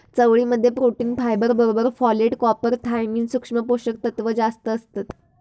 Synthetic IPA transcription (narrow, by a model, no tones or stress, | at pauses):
t͡səʋɭiːməd̪ʱːjepɾoʈiːnfajbəɾbəɾobəɾfɔleʈkɔpəɾt̪ʰajmiːnsukʂməpoɕək̚t̪ət̪ʋəd͡zast̪əːst̪at̪